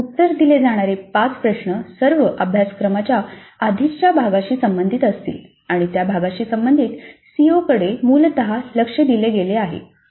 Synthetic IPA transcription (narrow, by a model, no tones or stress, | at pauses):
ut̪ːəɾd̪iled͡zaɽ̃aɾepat͡spɾəɕɳəsəɾʋəʔəbʱjaskɾəmat͡ɕjaːd̪ʱit͡ɕjabʱaɡaɕiːsəmbənd̪ʱit̪əst̪ḭːl | aɽ̃it̪jabʱaɡaɕiːsəmbənd̪ʱiːt̪siokəɽemuːlt̪əɦaləkʂəd̪ileɡeleaɦḛ